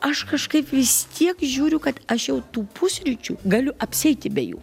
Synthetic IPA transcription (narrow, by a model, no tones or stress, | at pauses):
ɐʃkɐʃkɐɪpʋʲɪst̪ʲʰiɛkʒʲuːɾʲʊkɐt̪ɐʃjɛʊt̪uːpʊsʲɾʲɪt͡ʃʲuːɡɐlʲʊʔɐpʲsʲɛɪt̪ʲɪbʲɛjṵː